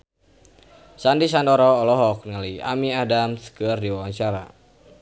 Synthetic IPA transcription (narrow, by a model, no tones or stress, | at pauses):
sandis̬andɔɾɔːlɔɦɔk̚nalia̰miadamskərdiwawaŋt͡ʃaɾa